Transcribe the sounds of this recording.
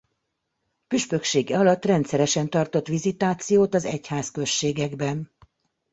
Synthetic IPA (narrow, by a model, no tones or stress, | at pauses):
pyʃpø̞kʃeːɡɛɒlɒt̪ːrɛnt̪sɛɾɛʃɛnt̪ɒrt̪o̞t̪ʋizit̪aːt̪sijoːt̪ɒzɛ̰chaːskø̞ʃːeːɡɛɡbɛn